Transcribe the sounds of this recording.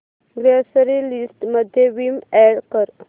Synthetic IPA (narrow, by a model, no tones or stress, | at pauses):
ɡɾesəɾilisʈməd̪ʱjeʋimɛɽkəɾ